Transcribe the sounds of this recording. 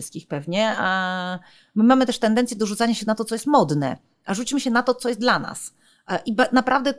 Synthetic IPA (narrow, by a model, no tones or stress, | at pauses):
st̪̚kʲixpɛvɲɛ | mɘmamɘt̪ɛʂt̪ɛnd̪ɛnt̪sjɛd̪ɔʐut̪saɲaɕɛnat̪ɔt̪sɔjɛst̪mɔd̪nɛ̰ | ʔaʐut͡ɕimɘɕɛnat̪ɔt̪sɔjɛst̪d̪lana̰s | ʔibnapɾʔavd̪ɛ